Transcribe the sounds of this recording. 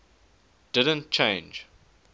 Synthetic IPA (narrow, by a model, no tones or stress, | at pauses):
d̥ɪdə̃ntt͡ʃʰẽɪ̃nd͡ʒ